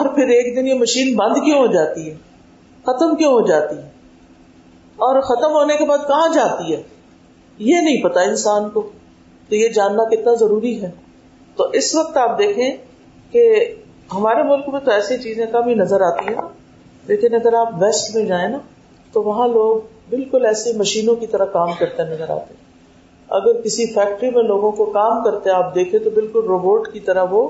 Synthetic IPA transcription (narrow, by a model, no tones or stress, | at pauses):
ɔːɾpʰɪɾeːk̚d̪ɪnjemɐʃiːnbɐ̃nd̪kjõɦod͡ʒaːt̪iɦɛː | xɐt̪əmkjõɦod͡ʒaːt̪iɦɛː | ɔːɾxɐt̪əmɦoːnekebaːd̪̚kɐɦãd͡ʒaːt̪iɦɛː | jenɐɦĩpɐt̪aɪnsaːnko | t̪ojed͡ʒaːnːakɪt̪nazɐɾuːɾiɦɛː | t̪oʔɪsʋɐk̚t̪aːp̚d̪eːkʰẽ | ke | ɦɐmaːɾemʊlkmẽt̪oɛːset͡ʃiːzẽkamʱĩnɐzəɾaːt̪iɦɛ̃naː | leːkɪnɐɡəɾaːpʋɛːsʈmẽd͡ʒaːẽna | t̪oʋɐɦãloːɡ̚ | bɪlkʊlɛːsemɐʃiːnõkit̪ɐɾakaːmkɐɾt̪ẽɦɛ̃nɐzəɾa̰ːt̪eɦɛ̃ | ɐ̰ɡəɾkɪsifɛːk̚ʈɾimẽloːɡõkokaːmkɐɾt̪eɦɛ̃aːp̚d̪eːkʰẽt̪obɪlkʊlɾoːboːʈkit̪ɐɾaʋo